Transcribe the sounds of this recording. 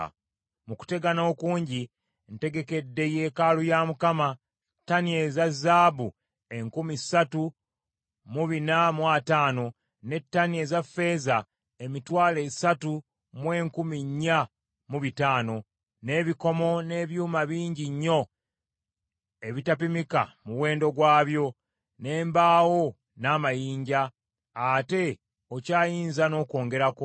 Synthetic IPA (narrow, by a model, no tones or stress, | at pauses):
muku̥te̞ɡano̞ːkuːɲɟi | nte̞ɡe̞ke̞dːe̞je̞ːkalujamukama | tːanie̞zazaːβu | e̞ŋkumisatu | muβinamwataːno̞ | ne̞tːaniezafːe̞ːza | e̞mitwaːle̞ːsatu | mwe̞ːŋkumiɲːa | muβitaːno̞ | ne̞ːβiko̞mo̞ne̞ːβjuːmaβiːɲɟiɲːo̞ | e̞βitapimika̰muwe̞ːndo̞ɡwaːβjo̞ | ne̞ːmbaːwo̞ | naːmajiːɲɟaː | te̞ | o̞caːjiːnzano̞ːko̞ːŋɡe̞ɾako